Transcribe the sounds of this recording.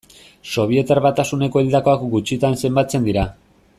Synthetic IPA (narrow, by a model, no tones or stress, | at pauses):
so̞β̞ie̞t̪aɾβat̪asune̞ko̞ild̪ako̞akɡut͡ʃit̪anse̞mbat͡se̞nd̪iɾa